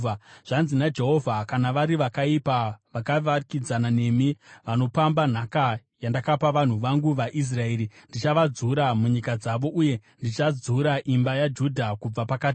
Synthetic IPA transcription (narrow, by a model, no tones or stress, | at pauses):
ʐ̥anzinad͡ʒe̞ɦo̞vʱakanaʋaɾiʋakaipaʋakaakid͡zanane̞miʋano̞pamban̤akajandakapaʋan̤uʋaŋɡuʋaʔis̬rae̞ːɾindit͡ʃaʋad͡zuɾamuɲikad͡zaʋo̞ʔuje̞ndit͡ʃad͡zuɾaʔimbajad͡ʒudʱakub͡vapakati